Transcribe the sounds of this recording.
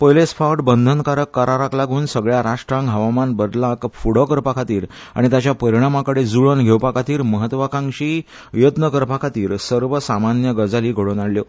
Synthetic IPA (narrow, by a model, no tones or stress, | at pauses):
pəjlesfʰawʈbənd̪ʱənkaɾəkːaɾaɾaklaɡʱuːnsəɡɭjaɾaʂʈɾãŋkɦəʋamanbəd̪lakfuɽ̤əkəɾpakʰat̪iːɾ | a̰ɽ̃it̪jat͡ɕjapəɾiɽ̃amakəɽed͡zuɭənɡʱewpakʰat̪iːɾməɦət̪ʋakãŋɕiː | jət̪nəkəɾpakʰat̪iːɾsəɾʋəsamanjəɡəd͡zaliːɡʱəɽonaɽljo